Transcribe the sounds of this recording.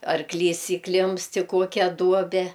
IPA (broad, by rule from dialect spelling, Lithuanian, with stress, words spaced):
ɐrˈklʲiːs iːˈklʲɪmpst ɪ ˈkoːkʲɛ ˈduɔbʲɛ